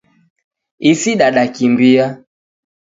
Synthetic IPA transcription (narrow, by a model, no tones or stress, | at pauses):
isiɗaɗakimbia